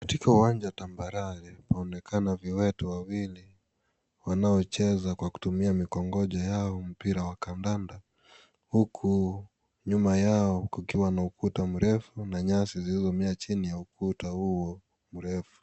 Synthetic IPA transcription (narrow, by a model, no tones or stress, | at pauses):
kḁtikauwaɲd͡ʒatambaɾaɾɛpaɔnɛkʰanaviwɛtuwawili | wanaɔt͡ʃɛzakwaku̥tumiamikɔŋɡɔʄajaɔm̩piɾawakandanda | hukʰu | ɲumajaɔkukiwanaukutam̩ɾɛfunaɲasizilizɔmɛat͡ʃinijaukutahuɔ | m̩ɾɛfu̥